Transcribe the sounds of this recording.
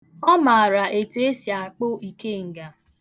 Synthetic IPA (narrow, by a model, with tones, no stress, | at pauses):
ɔ˦ma˨a˨ɾa˨ʔe˨tu˨e˦sja˨k͡pʊ˦i˨ke˦ŋ̩˨ɡa˨